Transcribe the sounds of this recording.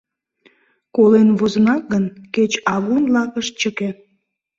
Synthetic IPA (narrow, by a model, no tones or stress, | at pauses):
kolenβozənɑk̚ɡənket͡ɕɑβunlɑkəʃt͡ɕəke